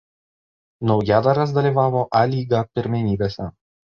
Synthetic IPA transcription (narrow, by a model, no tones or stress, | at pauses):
nɒʊjæːd̪ɐɾɐs̬d̪ɐlʲiːˑʋɑːʋoːʔaːlʲiːɡɐpʲɪɾʲmʲɛnʲiːbʲeːsʲɛ